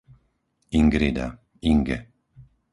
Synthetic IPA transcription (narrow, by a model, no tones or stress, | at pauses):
iŋɡɾid̪a̰ | iŋɡɛ